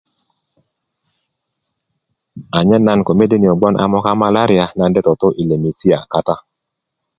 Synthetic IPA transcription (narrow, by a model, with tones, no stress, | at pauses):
a˨ɲɛ˦na˦nko˨me˦de˦ni˨ɔ˨ɡ͡bɔ˦nʔa̰˦mɔ˦ka˦ma˦la˦ɾi˦a˦na˨ndɛ˦tɔ˨to˦ʔi˨le˨mi˨si˦a˨ka˦ta˦